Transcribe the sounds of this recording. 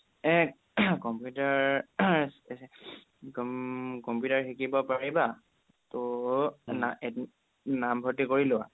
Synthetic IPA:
ɛk | kɔmpjutaɹsɛsɛ | kkɔmpjutaɹxikibɔpaɹiba | tɔ | naɛ | nambʱɔtikoɹilʊa

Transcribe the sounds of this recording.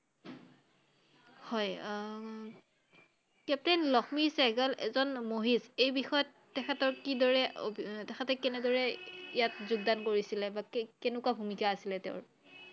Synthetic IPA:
hɔj | kɛp̚tenlɔxʰmisɛɡalɛ̰zɔnmoɦizejbixɔjɔtːɛxʰatɔɹkidɔɹɛ̰tɛxʰatɛkɛnɛdɔɹɛijatzuɡdankoɹisilɛbakkɛnʊkwabʱumikaːsilɛtɛʊɹ

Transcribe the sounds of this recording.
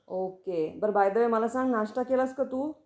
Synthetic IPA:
okebəɾbajd̪əʋeməlasãŋɡnaʂʈakelaskət̪uː

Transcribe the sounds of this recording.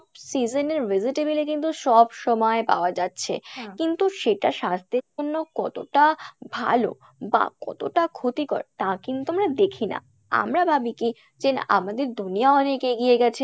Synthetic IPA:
bsid͡ʑoneɾviziʈebilekint̪uʃɔbʃɔmɔepa̰oad͡ʑatːɕʰḛkint̪uʃeʈaʃast̪eɾonːokɔt̪o̰ʈabʱa̰lo̰ | ba̰kɔ̰t̪oʈakʰot̪ikɔ̰ɾt̪akint̪uamɾad̪ekʰina̰ | a̰mɾabʱabiki | d͡ʑea̰mad̪eɾd̪unijaɔnekeɡijeɡɛt͡ɕʰe

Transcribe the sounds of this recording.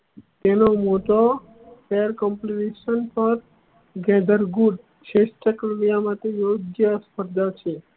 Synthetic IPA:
t̪enomoʈo | feəɾkəmpliʈeʃənpəɾ | ɡɛd̪əɾɡuɖ | t͡ʃʰesʈəkəlʋijamãt̪ejoɡjəspəɾd̪ʱat͡ʃʰe

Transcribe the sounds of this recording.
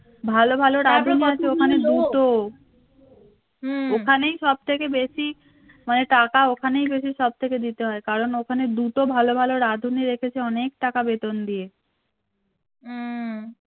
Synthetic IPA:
bʱalobʱaloɾad̪ʱuniat͡ɕʰeokʰaned̪ut̪o | okʰanejʃɔb̚t̪ʰekebeʃi | maneʈakaokʰanejbeʃiʃɔb̚t̪ʰeked̪it̪eɦɔekaɾonokʰaned̪ut̪obʱalobʱaloɾad̪ʱuniɾekʰet͡ɕʰeɔnek̚ʈakabet̪ond̪ie

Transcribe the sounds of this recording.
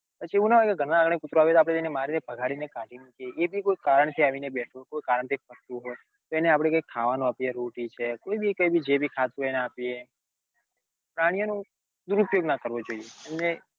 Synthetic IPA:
pət͡ʃʰieʋũnaʋaɡeɡʱəɽãaɡɳ̃ekʊt̪ɾoaʋjet̪oapɽeenemaɾinebʱəɡʱaɽinekãʈinĩkeebʱikoikaɾəɳt̪ʰiaʋinebɛʈʰokojkaɾəɳt̪ʰipʰəɾt̪uɦoj | t̪oɛneapɽ̃ekoikʰaʋanũapijeɾoʈit͡ʃʰekoibʱikoibʱid͡ʒebʱikʰat̪ueneapie | pɾaɽ̃ijonũ | d̪uɾupjoɡnakəɾʋod͡ʒoieɛmne

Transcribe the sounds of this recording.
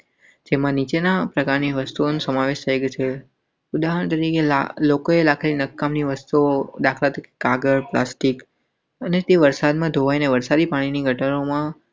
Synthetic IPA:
d͡ʒemãnit͡ʃenapɾəkaɾniʋəst̪uonusəmaʋeʃt̪ʰəjɡt͡ʃʰe | ud̪aɦəɳt̪əɾikela̰lokoelakʰalinəkːamniʋəst̪uod̪akʰlat̪ake̥kaɡəɾplasʈik | ənet̪eʋəɾsad̪mãd̪ʱoʋaineʋəɾsad̪ipaɽ̃iniɡʱəʈənomã

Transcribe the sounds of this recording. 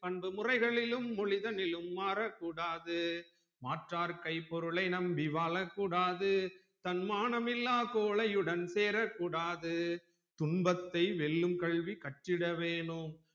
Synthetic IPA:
pɐɳbɯmʊrɐɪɣɐɭɪlɯmːɔɭɪðɐnɪlɯmːaːɾɐkːuːɽaːðɯ | maːʈraːɾkɐɪpːɔɾɯɭɐɪnɐmbɪʋaːlɐkːuːɽaːðɯ | t̪ɐnmaːɳɐmɪlːaːkoːɭɐjɯɽɐnseːɾɐkːuːɽaːðɯ | t̪ʊɳbɐt̪ːɐɪʋɛɭːɯmkɐɭʋikɐʈːɪɽɐʋeːɳɯm

